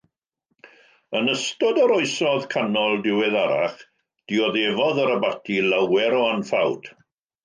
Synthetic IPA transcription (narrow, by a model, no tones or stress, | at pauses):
ənəstɔdəɾɔɨsɔðkʰanɔlˠdɪwɛðaɾa̰χ | d̥ɪɔðevɔðəɾəbatʰilawɛɾɔanfawd̥